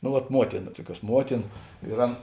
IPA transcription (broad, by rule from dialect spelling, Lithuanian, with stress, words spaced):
noː ʋɐt ˈmuɔtʲɪnɐ ˈtuɔˌkʲuɔs ˈmuɔtʲɪnɐ ɪr ˈɐn